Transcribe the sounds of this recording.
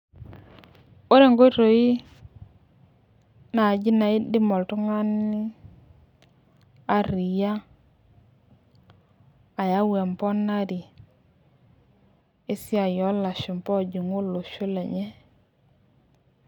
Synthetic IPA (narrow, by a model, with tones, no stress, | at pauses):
o˦ɾe˦˨ŋɡo˦i˦ɾo˨i˦ | na˨d͡ʒi˦na˨i˦di˦mɔ˨ltu˦ŋa˦ni˦ | a˦ɾi˨ja˦ | a˨ja˦we˨mpɔ˦na˦di˨ | ɪ˦si˦a˨jɔ˦la˨ʃi˨m˨pɔ˦˨d͡ʒi˨ŋu˦lo˨ʃu˦le˨ɲe˦